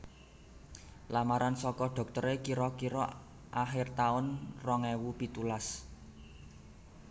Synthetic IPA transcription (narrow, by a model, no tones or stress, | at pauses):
lamaɾansɔkɔɖ̪̥ɔ̤k̚t̪əɾekiɾɔkiɾɔ | ʔaxɪrt̪aʊnrɔŋɛwupit̪ulas